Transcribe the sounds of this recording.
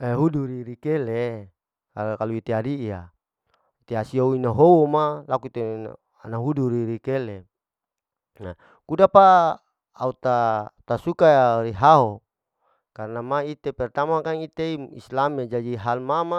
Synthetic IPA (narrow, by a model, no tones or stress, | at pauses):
eɦuduɾiɾikele | akaluit̪eaɾia̰ | t̪easiouinaɦowomalakut̪e | anaɦuduɾiɾikele | na | kudapaː | ut̪at̪asukaɾiɦaɦo | karnamait̪epɛrt̪amakaŋit̪eiḭslamed͡ʒadiɦalmama